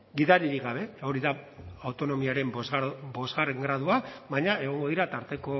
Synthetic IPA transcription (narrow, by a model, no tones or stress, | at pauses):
ɡiðaɾiɾiɡaβe̞o̞ɾiðaawt̪o̞no̞miaɾe̞mzbo̞zɣareŋɡɾað̞uaβajɲae̞ɣ̞o̞ŋɡo̞ðiɾat̪aɾt̪e̞ko̞